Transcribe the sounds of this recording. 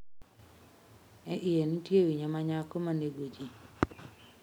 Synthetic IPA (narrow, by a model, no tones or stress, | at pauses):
ɛʔɪjenitjewiɲamaɲakomaneɡod͡ʒi